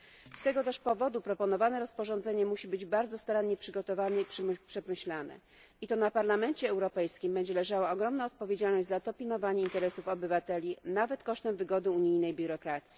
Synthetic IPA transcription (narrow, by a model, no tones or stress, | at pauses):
st̪ɛɡɔt̪ɛʂpɔvɔd̪upɾɔpɔnɔvanɛɾɔspɔʐɔ̃nd̪zɛɲɛmuɕibɘd͡ʑbaɾd̪zɔst̪aɾanɲɛpʂɘɡɔt̪ɔvanɛipʂpʂɛmɘɕlanɛ̰ | it̪ɔn̪apaɾlamɛɲt͡ɕɛɛwɾɔpɛjskʲimbɛɲd͡ʑɛlɛʐawaɔɡɾɔmnaɔt̪̚pɔvʲjed͡ʑalnɔʑd͡ʑʲzat̪ɔpʲinɔvaɲɛint̪ɛɾɛsufɔbɘvat̪ɛlʲinavɛt̪kɔʂt̪ɛmvɘɡɔd̪ɘuɲijnɛjbʲjuɾɔkɾat̪sʲji